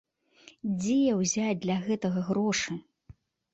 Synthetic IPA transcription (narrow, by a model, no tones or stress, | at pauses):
d͡zʲejɛwzʲat͡sʲd̪lʲɐɣɛt̪ɐɣɐɣɾɔʂɨ